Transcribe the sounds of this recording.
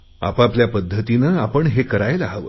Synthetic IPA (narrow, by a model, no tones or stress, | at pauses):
a̰papljapəd̪ʱːət̪inəːapəɳɦekəɾajlaɦaʋə̰